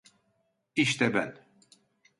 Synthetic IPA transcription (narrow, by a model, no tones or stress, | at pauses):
iʃt̪ɛbæ̰n